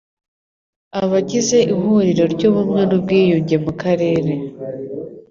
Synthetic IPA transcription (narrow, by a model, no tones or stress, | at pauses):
aβaɟize̞ʔiɦuɾiɾo̞ɾɟoβumŋenub̚ɡiːjuɲɟe̞mukaɾe̞ːɾe̞